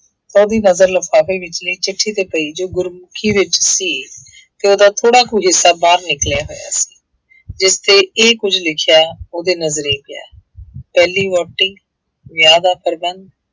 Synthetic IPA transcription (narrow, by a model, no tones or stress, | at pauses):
t̪aːoːd̪iːnəzəɾləfʰaːpiːʋɪt͡ʃniːt͡ʃɪʈʰːiːt̪eːpəiːd͡ʒoːɡʊɾmʊkʰiːʋɪt͡ʃsiː | t̪eːoːd̪aːt̪ʰoːɽaːkuːɦɪsːaːbaːɾnɪkljaːɦo̰ːja̰ːsi̥ː | d͡ʒɪst̪eːeːkʊd͡ʒlɪkʰɪjaːoːd̪eːnəzəɾeːpɪja̰ː | pɛːliːʋɔːʈːɪŋ | ʋjaːd̪aːpəɾbənd̪